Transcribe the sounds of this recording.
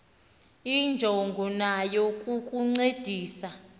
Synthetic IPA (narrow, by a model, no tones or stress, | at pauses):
ind͡ʒʱoŋɡʱɔnajokʼukʼuŋ͡ǀed̥ʱiːsa